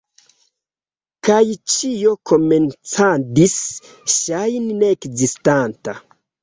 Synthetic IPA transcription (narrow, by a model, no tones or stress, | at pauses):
kajt͡ʃijo̞ko̞ment͡sadis | ʃajnneːkzistanta̰